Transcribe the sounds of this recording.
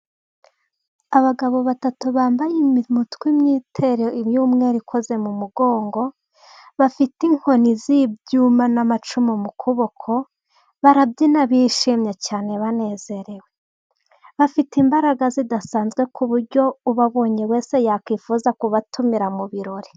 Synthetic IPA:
aβaɡaβo̞βatatuβaːmbajimimutkwimɲiːtʰe̞ɾeimjuːmŋe̞ːɾikʰo̞ze̞mumuɡo̞ːŋɡo̞ | βafitiŋ̥ho̞nizibjuːmanamat͡ʃumimukʰuβo̞kʰo̞ | βaɾabɟinaβiʃimɲecaːne̞βane̞ːz̥e̞ɾe̞we | βafitimbaɾaɡazidasaːnzɡwe̞kʰuβuɾɟo̞uβaβo̞ːɲewe̞ːse̞jaːkwiːfuːzakuβatʰumiɾamuβiɾo̞ɾe

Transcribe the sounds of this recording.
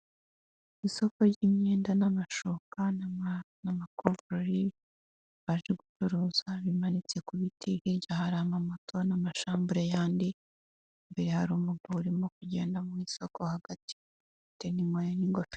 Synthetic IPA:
iso̞koɾɟimɲeːndanamaʃoka | namakovuɾoɾi | βaʒeɡut͡ʃuɾuːzaβimanit͡se̞kuβitʰihiɾɟahaɾamamoto̞namaʃaːmbuɾejaːndi | mbeɾehaɾuːmuɡauɾimokuɟe̞ːndamwiso̞ko̞haɡ̥ati̥ | tenimwajaniŋɡofi̥

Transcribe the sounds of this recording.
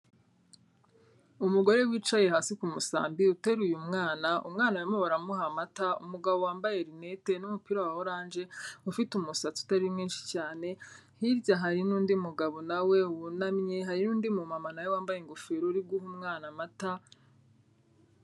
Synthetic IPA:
umuɡo̞ɾe̞wiːt͡ʃaje̞haːsikumusa̰ːmbiute̞ɾujumŋaːnaʔumŋaːnawemewaɾamuɦamataṵmuɡaβowaːmbaje̞ɾine̞te̞numupiɾawahoɾaːnd͡ʒe̞ufitumusat͡su̥taɾimŋiːnʃi̥caːne̞ | hiɾɟaɦaɾinuːndiumuɡaβo̞nawe̞wunamɲeɦaɾinuːndimumamanawewaːmbajeŋɡofeɾoɾiɡuɦumŋaːnamata

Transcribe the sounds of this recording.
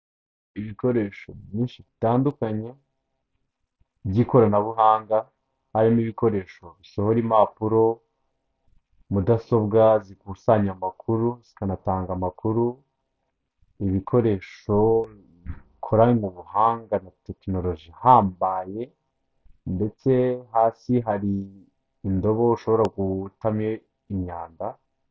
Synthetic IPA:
iβiko̞ɾe̞ʃo̞βjiːnʃiβitaːndukaɲe̞ | bɟiko̞ɾanaβuɦaːŋɡa | haɾimiβiko̞ɾe̞ːʃo̞βisohoɾimapuɾo̞ | mudaso̞bɡazikusaɲamakʰuɾuz̥i̥kanataːŋɡamakuɾu | iβikʰo̞ɾe̞ʃo̞ | kʰoɾamuβuhaːŋɡanate̞kino̞lo̞ʒihaːmbaje̞ | nde̞t͡se̞haːsiɦaɾiː | ndo̞βo̞uʃo̞βo̞ɾaɡutame | iɲɲaːnda

